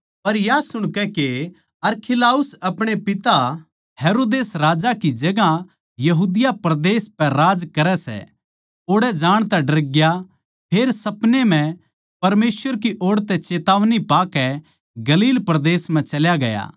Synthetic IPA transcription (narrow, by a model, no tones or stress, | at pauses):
pɐɾjasʊɽ̃kɛke | ɐɾkʰɪlaːʊsɐpɽ̃epɪt̪a | heːɾoːd̪eːsɾaːd͡ʒakid͡ʒɐɡa | jɐɦuːd̪ɪjapɾɐd̪eːspɛɾaːd͡ʒkɐɾɛsɛ̰ | oːɽɛd͡ʒaːɽ̃t̪ɛɖɐɾɡja | pʰeːɾsɐpnem̤ɛ̃ | pɐɾmeːsʋəɾk̬iʔoːɽt̪ɛt͡ʃeːt̪aːʋnipaːkɛ | ɡɐliːlpɾɐd̪eːsm̤ɛ̃t͡ʃɐljaɡɐja̰ː